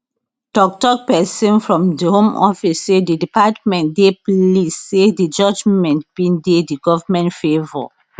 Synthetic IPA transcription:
d̥ɔk̚tɔk̚pɛsĩnfɹɔ̃mdihõmɔ̰fisːedidipatmɛ̃ntdeplisːedid͡ʒɔd͡ʒmɛ̃nt̚b̥ĩndediɡɔvamɛ̃ntfevɔ̰

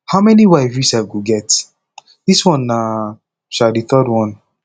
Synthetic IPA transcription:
haʊmɛniwaɪvɹisɛfɡoɡɛt | d̥iswɔ̃na | ʃaldiθɔdwɔ̃n

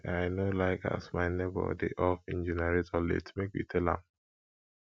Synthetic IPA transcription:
aɪnolaɪka̰smaɪnebɔ̰dḛʔɔfĩnd͡ʒenaɹetɔlḛtmekwḭtʰɛlã̰m

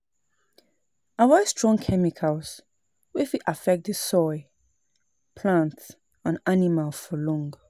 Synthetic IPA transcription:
awəstɹ̥ɔ̃ŋkʰɛmikʰəls | wɪfiʔafɛk̚t̚ðəsɔɪ | pʰlãnts | ãnanimalfɔlɔ̃ŋɡ

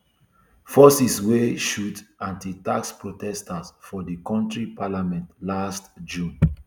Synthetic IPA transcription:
fɔsisweʃutãntitakspɹotɛstasfɔdikɔ̃ntɹipʰalamɛ̃ntlastd͡ʒũn

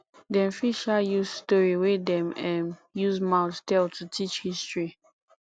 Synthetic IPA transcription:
dɛ̃nfiʃajuzstɔɹiwedɛ̃mɛ̃njuzmãʊttɛltʰutʰit͡ʃhistɹi

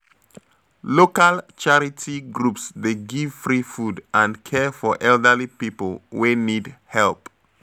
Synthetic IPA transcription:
lokalt͡ʃaɹitʰiɡɹupsdeɡivfɹifudʔãndkʰɛfɔʔɛldəlipipəlˠwenidhɛlp

